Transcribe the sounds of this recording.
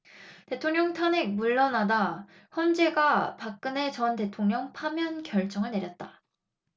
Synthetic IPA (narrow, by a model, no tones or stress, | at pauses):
te̞tʰoŋɲʌŋtʰanek̚muɭːʌnada | çjʌnd͡ʑe̞ɡapak̚k͈ɯne̞t͡ɕʌnte̞tʰoŋɲʌŋpʰamjʌnkjʌɭt͡ɕ͈ʌŋɯɭne̞ɾjʌt̚t͈a